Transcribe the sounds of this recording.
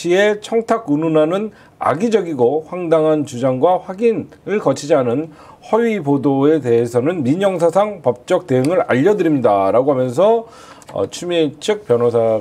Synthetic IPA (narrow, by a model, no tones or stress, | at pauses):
iet͡ɕʰʌŋtʰakununanɯn | a̰ɡid͡ʑʌɡiɡoɸwaŋdaŋɦant͡ɕud͡ʑaŋɡwaɸwaɡinɯɭkʌt͡ɕʰid͡ʑianɯn | hʌɥipodoe̞te̞ɦes̬ʰʌnɯnmiɲʌŋsʰasʰaŋpʌp̚t͡ɕ͈ʌk̚te̞ɯŋɯɾa̰ʎːʌdɯɾimɲidaɾaɡoɦamjʌns̬ʰʌ | ʌ̰t͡ɕʰumit͡ɕʰɯk̚p͈jʌnos̬ʰa